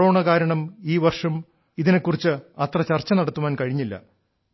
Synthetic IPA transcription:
o̞ːɳɐkaːɾɐɳɐmiːʋɐrʂɐm | iðinekːurit͡ɕːɨɐt̪rɐt͡ɕɐrt͡ɕːɐnɐɽɐt̪ːuʋaːnkɐɻiɲːilːɐ̰

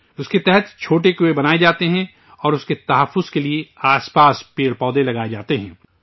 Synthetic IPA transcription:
ʊsket̪ɛɦɛt̪t͡ʃʰoːʈekʊebɐnaːed͡ʒaːt̪eɦɛ̃ | ɔːɾʊsket̪ɐɦəfːʊzkelieaːspaːspeːɽpɔːd̪ẽlɐɡaːed͡ʒaːt̪eɦɛ̰̃ː

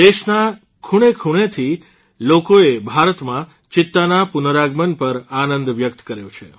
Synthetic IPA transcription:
d̪eʃna | kʰuɽ̃ekʰuɽ̃et̪ʰi | lokoebʱaɾət̪mã | t͡ʃɪt̪ːanapʊnəɾaɡmənpəɾanənd̪ʋjək̚t̪kəɾjõt͡ʃʰe

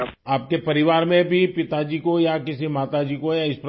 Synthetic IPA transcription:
aːp̚kepɐɾɪʋaːɾmẽbʱipɪt̪ad͡ʒiːkojakɪsimaːt̪ad͡ʒiːkojaɪsp

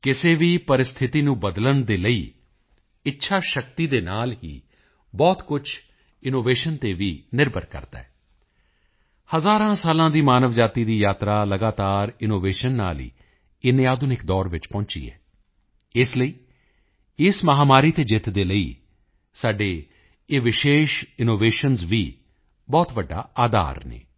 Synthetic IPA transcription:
kɪseːʋiːpəɾɪst̪ʰɪt̪iːnũːbəd̪lənd̪eːləḭː | ɪtːʃʰaːʃəkt̪iːd̪eːnaːlɦḭː | bɔːt̪kʊt͡ʃʰ | ɪnoːʋeːʃənt̪eːʋiːnɪɾbəɾkə̰ɾd̪a̰ːɛː | həzaːɾãːsaːlãːd̪iːmaːnəʋd͡ʒaːt̪iːd̪iːjaːt̪ɾaːləɡaːt̪aːɾɪnoːʋeːʃənːa̰ːlḭː | ɪnːeaːd̪ʊnɪkd̪ɔːɾʋɪt͡ʃpɔ̃ːt͡ʃḭːɦɛ̰ː | ɪsləiː | ɪsməɦaːmaːɾiːt̪eːd͡ʒɪt̪d̪eːləḭː | saːɖeː | eːʋɪʃeːʃɪnoːʋeːʃənzʋiː | bɔːt̪ʋəɖːa̰ːaːd̪a̰ːɾnḛː

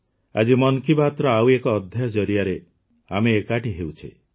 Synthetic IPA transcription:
a̰d͡ʒimɔnkibʱat̪ɾɔauekɔːd̪ʱjaɔd͡ʒɔɾijaɾe | a̰meːkaʈiɦeut͡ʃʰe

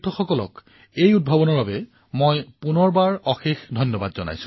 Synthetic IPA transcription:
tʰɔxɔkɔlɔ̰k | ejud̚bʱɔbɔnɔɹbabɛ | mojpunɔɹbaɹɔxexdʱɔjnːɔbadzɔna̰jsʊ̃

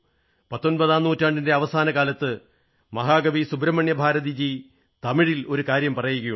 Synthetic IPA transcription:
pɐt̪ːonpɐðaːnːuːtːaːɳɖinde̞ɐʋɐsaːnɐkaːlɐt̪ːɨ | mɐɦaːɡɐʋisubɾɐmɐɳjɐbʱaːɾɐðid͡ʑi | t̪ɐmiɻilo̞ɾukaːɾjɐmpɐrɐjuɣɐju

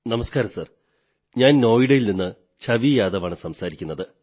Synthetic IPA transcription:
nɐmɐskaːɾɐsɐr | ɲaːnno̞ːjiɽejilninːɨ | t͡ɕɐʋijaːd̪ɐʋaːɳɨsɐmsaːɾikʲːunːɐðɨ

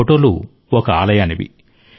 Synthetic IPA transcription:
oʈo̞ːlṵ | okɐaːlɐjaːniʋḭ

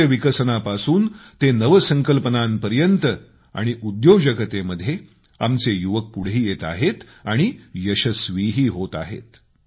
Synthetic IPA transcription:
əʋikəɾsənapasuːnt̪enəʋəsə̃ŋkəlpənampəɾjənt̪ə | a̰ɽ̃iʔud̪jod͡ʑəɡət̪eməd̪ʱːje | amt͡sejuʋək̚puɽ̤iːjet̪a̰ɦet̪ | aɽ̃ijəɕəsʋiɦiːɦot̪a̰ɦḛt̪

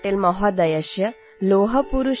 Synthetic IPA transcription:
ʈeːlmɐɦɔd̪ɐjɐʃjɐ | loːɦɐpuɾuʃ

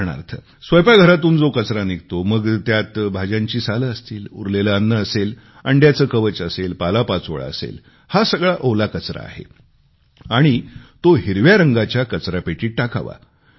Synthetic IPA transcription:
ɳa̰ɾt̪ʰə | sʋəjpaɡʱəɾat̪uːnd͡zokət͡sɾaniɡ̚t̪oməɡt̪jat̪bʱad͡ʑjãɲt͡ɕiːsaləəst̪iːlṵɾleləənːəːsel | əɳɖjat͡səːkəʋət͡ɕəselpalapat͡so̰ɭa̰ə̰sḛl | hasəɡɭaʔolakət͡sɾa̰ːɦḛ | aɽ̃it̪oɦiɾʋjaɾəŋɡat͡ɕjakət͡sɾapeʈiːʈ̚ʈakʰa̰ʋa̰

